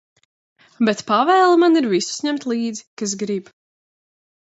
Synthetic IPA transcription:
bɛt̪pavɛːlˠmaniɾvisu̥sɲɛmt̪lˠiːd̪zi̥kas̬ɡɾib

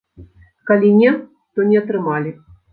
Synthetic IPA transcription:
kalʲinʲɛ | t̪ɔnʲɛɐt̪ɾɨmalʲi

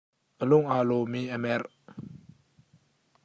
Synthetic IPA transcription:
ʔəlʊŋʔaːlɔmiʔəmɛr

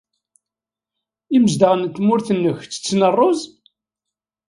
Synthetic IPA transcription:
iməzd̪əʁnt̪ːmʊɾθənːəçt͡sːə̥t͡sːnərˤːoz

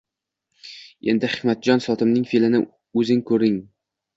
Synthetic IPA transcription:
e̞̰nd̪ɪhɪkmat̪̚d͡ʒɒnsɒt̪ʰɪmnɪŋfilɪnɪ | ɵzɪŋkʰɵɾɪŋ

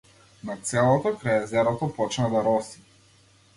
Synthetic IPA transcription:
nat̪sɛlˠɔt̪ɔkɾajɛzɛɾɔt̪ɔpɔt͡ʃnad̪aɾɔsi̥

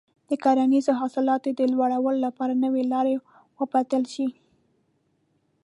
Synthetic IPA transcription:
d̪̥əkɑɾanizoɦɑsɪlɑt̪od̪əlwaɽawəlolapɑɾanəwelɑɾe | wəbat̪əlʃi

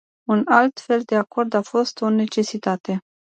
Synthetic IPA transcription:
unalt̪fe̞ld̪e̞ako̞rd̪afo̞st̪o̞ne̞t͡ʃe̞sit̪at̪e̞

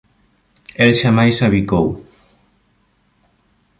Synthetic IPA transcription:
ɛlʃamajsaβikow

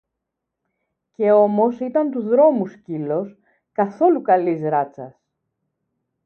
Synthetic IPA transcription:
ce̞o̞mo̞sit̪ɐnt̪uzðɾo̞muscilo̞s | kɐθo̞lukɐlizɾɐt͡sɐs

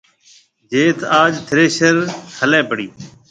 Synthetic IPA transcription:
d͡ʒeːt̪ʰaːd͡ʒt̪ʰɪɾeːʃəɾhʰəlɛ̃ːbʱəɽiː

